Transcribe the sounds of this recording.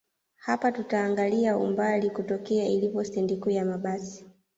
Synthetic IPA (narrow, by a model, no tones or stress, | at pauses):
hapatutaːŋɡaliaṵmbalikutɔkɛailipɔstɛndikuːjamaɓasi̥